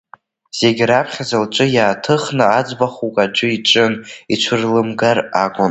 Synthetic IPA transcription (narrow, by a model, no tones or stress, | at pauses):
z̥e̞ɡʲɾapʰχʲazalt͡ʃʷʼɨjaːtʰɨχnɨad͡zbaχukʼad͡ʒʷʊiʈ͡ʂʼɨnit͡ʃʷʰɨrlɨmɡarakʷʼʊn